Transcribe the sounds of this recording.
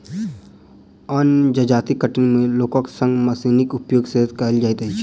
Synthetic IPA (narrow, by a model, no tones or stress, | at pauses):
ənd͡ʒɐd͡ʒaːt̪ikəʈɪnmẽloːkõksə̃ŋɡmɐsiːnɪkʊpjoːɡsed̪kald͡ʒajt̪ɐit͡ʃʰi̥